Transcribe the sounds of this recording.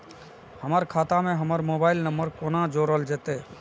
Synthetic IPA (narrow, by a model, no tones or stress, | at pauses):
həməɾkʰaːt̪amẽɦəməɾmoːbaːɪlnəmbəɾkoːnãd͡ʒoːɾəld͡ʒeːt̪eː